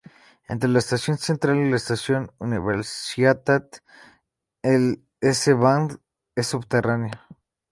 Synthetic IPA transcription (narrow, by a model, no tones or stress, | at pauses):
ḛnt̪ɾelaest̪asjo̞nsent̪ɾalilaest̪asjonuniβeɾsjat̪at̪ | el | eseβand̪ | esːuβt̪eranja